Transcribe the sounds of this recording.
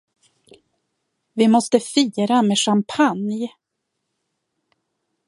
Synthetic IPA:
vɪmɔst̪əfiːɾameːʂampʰanj

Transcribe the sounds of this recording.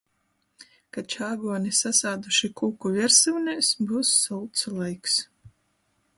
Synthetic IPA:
kat͡ʃaːɡuɔnʲisasaːd̪uʃikuːkuvʲiɾsɨwnʲɛsbuːsːulˠt̪slˠɛjks

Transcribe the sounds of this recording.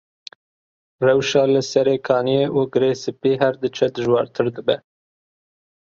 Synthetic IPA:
rɛwʃɑːlɨsɛɾekʰɑːnijeːʔuɡɨɾeːsɨpiːɦɛɾd̪ɨt͡ʃʰɛd̪ɨʒwɑːɾt̪ʰɨɾd̪ɨbɛ

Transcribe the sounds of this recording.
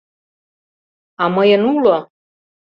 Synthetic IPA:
ɑməjənulo

